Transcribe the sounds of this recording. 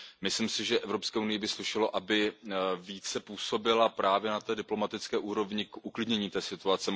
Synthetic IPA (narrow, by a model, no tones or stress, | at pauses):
mɪslimsɪʒɛʔɛvɾo̞pskɛːunɪjɪbɪslɪʃɪlo̞ʔabɪviːt͡sɛpuːso̞bɪlapɾaːvjɛnat̪ɛːdɪplo̞mat̪ɪt͡skɛːʔuːɾo̞vɲɪkʔuklɪdɲɛɲiːt̪ɛːsɪt̪uat͡sɛ